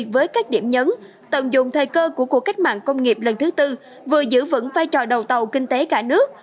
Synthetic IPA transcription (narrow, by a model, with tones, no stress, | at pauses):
k̚vəː˨˦jkaː˦˥k̟̚ɗḭ˧˩əmɲə˨˦n | t̪ə˨˩nzʊ˨ŋ͡mt̪ʰəː˨˩jkəː˧ku˧˩əku˧˩əka˦˥j̚ma̰ː˧˨nkə˧wŋ͡mŋi˨˩p̚lə˨˩nt̪ʰɨ˨˦t̪ɨ˧ | vɨ˨˩əzɨ̰˧˥və̰˧˥nvaː˧jt͡ɕɔ˨˩ɗə˨˩wt̪ə˨˩wkï˧ŋ̟t̪e˨˦kaː˧˩nɨ˦˥ək̚